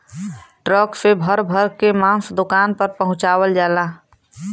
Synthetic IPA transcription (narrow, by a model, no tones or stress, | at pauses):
ʈɾəksebʱəɾbʱəɾkemãːsd̪ʊkaːnpəɾpəɦʊ̃t͡ʃaːwəld͡ʒaːlaː